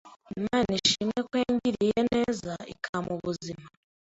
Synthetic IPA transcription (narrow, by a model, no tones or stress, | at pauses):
maniʃimŋe̞kweːɲɟiɾijene̞ːzaḭkʰamʔuβuzima